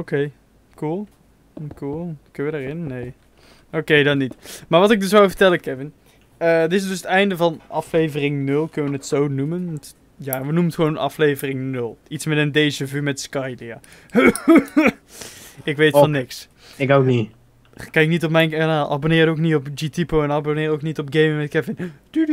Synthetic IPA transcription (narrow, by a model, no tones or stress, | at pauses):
okej | kulˠ | kulˠkɵnʋədəɹɪnːej | owkejdɑtnitmaːɹʋɑtɪɡ̚dɵsʋawvəɹtɛləkɛvɪn | ədɪs̬dɵsətɛjndəvɑnʔɑflejvərɪŋnɵlˠkɵnəʋənətsownumənʋɑnt | jaːʋənumənχʋownʔɑ̰flejvərɪŋnɵlˠitsmɛtəndejzəvymɛtskɑjdəja̰ː | ɪkʋejtfɑnːɪks | ɪkokni | kɛjɪknitɔp̬mɛjnkanaːlˠʔɑ̰bonɪːrətowknitɔpd͡ʒitipowɛnɑbonɪːrowknitɔp̚ɡejmmɛtkɛvɪnd̥y